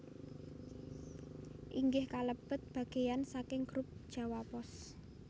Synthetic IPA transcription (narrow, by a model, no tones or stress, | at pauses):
ʔiŋɡɪhkaləb̥ət̪̚b̥ä̤ɡ̥e̤jansakɪŋɡ̥ɾʊp̚d̥ʒ̥a̤wapɔs